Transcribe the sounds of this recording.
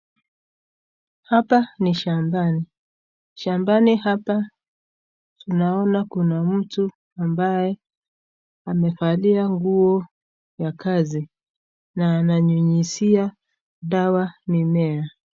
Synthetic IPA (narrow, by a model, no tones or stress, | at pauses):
hapaniʃambani | ʃambanihapa | tunaɔnakunam̩tu | ambajɛ | amɛfaliaŋɡuɔ | jakazi | naːnaɲuɲisia | ɗawanimɛa